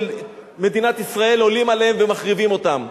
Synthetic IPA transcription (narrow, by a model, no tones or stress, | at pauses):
lme̞d̪inat̪isʁae̞lo̞limaleemve̞maχʁivimo̞t̪am